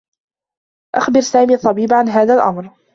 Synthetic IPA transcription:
ʔaxbɪɾsaːmiːɑt̪ˤːɑbiːbʕanɦaːðalʔa̰mɾ

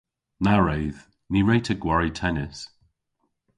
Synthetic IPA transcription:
naɹejð̥ | niɹejtʰəɡwaɹitʰɛnɪs

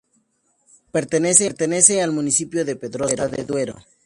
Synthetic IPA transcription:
pe̞ɾt̪ene̞seɾt̪ene̞sealmunisipjoðe̞peðɾoɾaðḛðwe̞ɾo̰

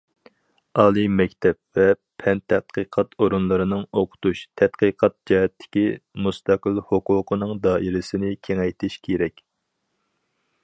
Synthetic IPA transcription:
ɑːlˠɨmɛkʲt̪ʰɛp̚vɛ | pʰɛnt̪ʰɛt̪̚qʰəqʰɑt̪ʰoɾunlˠɨɾɨnɨŋoqʰʊ̥t̪uʃt̪ʰɛt̪qəqʰɑt̪̚d͡ʒɑɦɛt̪ʰːɪ̥kʲimust̪ɑqəlˠhʊqʊːqʰənɨŋd̪ɑːʔiɾɪsɪnɪkʲʰeŋɛjt̪ʰɪʃkʲʰeɾɛkʲ

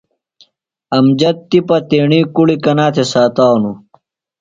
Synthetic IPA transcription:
ɐmd͡ʑɐt̪ːipɐt̪eːɳiːkuɽikɐnaːt̪ʰesaːt̪aːwnu

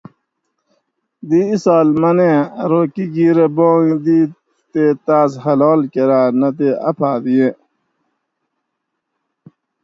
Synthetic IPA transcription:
d̪iisaːlmɐnẽɾoːkiɡiɾebõːŋd̪iː | t̪et̪aːshɐlɔːlkeɾaːnɐt̪eɐ̰pʰaːd̪ijẽ

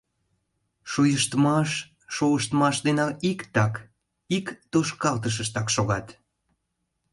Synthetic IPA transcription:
ʃujəʃt̪mɑʃː | uəʃt̪mɑʃd̪enɑikt̪ɑk | ikt̪oʃkɑlt̪əʃ̬əʃt̪ɑkʃoɣɑt̪

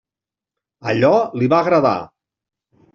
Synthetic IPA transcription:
əʎɔliβaːɣɾəða̰

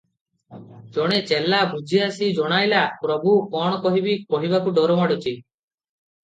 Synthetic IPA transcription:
d͡ʒɔɽ̃et͡ʃelːabʱud͡ʒʱiasid͡ʒɔɽ̃ajlapɾɔbukɔɽ̃ɔkɔɦibikɔɦibakuɖɔɾɔmaɽɔt͡ʃʰi

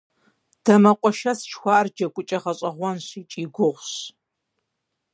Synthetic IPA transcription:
d̥ɐmɐqʷʼɔʃɐst͡ʃxʷɑːrd͡ʒɐkʷʼʊt͡ʃʼɐʁɐɕʼɐʁʷɔnɕiːt͡ʃʼiːɡʷʊʁʷɕ

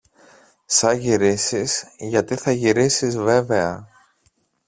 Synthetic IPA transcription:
sɐʝiɾisiz̥ʝɐt̪iθɐʝiɾisizve̞ve̞ɐ

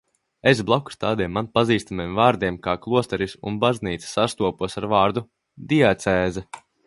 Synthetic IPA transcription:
es̬blˠɔku̥st̪aːd̪iɛmːanpaziːst̪amemvaːɾd̪iɛmkaːklˠuɔst̪ɛɾisṵnbazniːt̪se̥sast̪uɔpuɔsaɾvaːɾd̪u | d̪iat̪sɛːzɛ

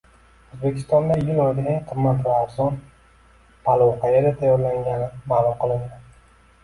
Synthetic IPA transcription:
ozbe̞kʲʰɪ̥st̪ɒnd̪ajʊlɒjd̪aaŋqʰɨmːat̪vaːɾzɒn | pʰalˠɒwqʰajeɾat̪ʰajɒɾlaŋɡʲanɪmaːlˠʊmqɨlˠɪnd̪ɪ

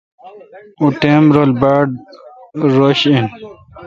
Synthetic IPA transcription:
uʈemɾolbaɖ | ɾoɕin

